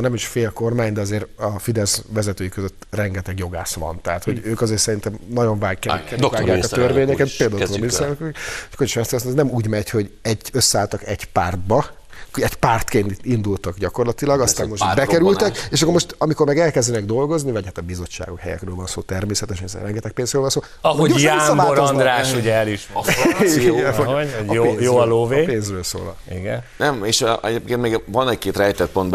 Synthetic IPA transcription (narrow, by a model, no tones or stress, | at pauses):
nɛmiʃfeːlko̞rmaːɲd̪ɛɒzeːɾɒfid̪ɛzʋɛzɛt̪øːjikøzøt̪ːrɛŋɡɛt̪ɛɡjo̞ɡaːʃʋɒ̰nt̪ɛɦaːt̪ho̞ɟøːkɒzeːrsɛɾint̪ɛmnɒɟo̞ɱvaːɡkɛɛkːɛnaːɡjaːkɒt̪ørveːɲɛkɛt̪peːld̪oisɛkkoriʃɛst̪ɛkst̪ːnɛmuːɟmɛcho̞ɟɛɟːøsːɛaːlt̪ɒkɛɟpaːrd̪̚bɒ | ɛɟpaːrt̪keːnt̪iind̪ult̪ɒɡɟɒko̞rlɒt̪ilɒɡɒst̪aːmːoʃbɛkɛɾylt̪ɛkeːʃɒkːoɾmo̞ʃt̪ɒmiko̞rmɛɡɛlkɛzd̪ɛnɛɡd̪o̞lɡo̞znivɒɟhat̪ɒbizo̞t͡ʃːa̰ːɡo̞khɛ̰jɛ̰krøːlvɒnsoːt̪ɛrmeːsɛt̪ɛʃɲɛzɛ̰rɛŋɡɛt̪ɛk̚peːnzɾøːlvɒnsoː | ooasɒaoɾnd̪ɾaːʃuɟɛɛliʃiɡɛnoeːjoːloːveːpeːnzrøːlso̰ːlɒ̰ | iɡɛnnɛmeːʃʔɛɟeːp̚keːnt̪meːɡvɒnɛc̚keːt̪rɛjt̪ɛt̪̚po̞nb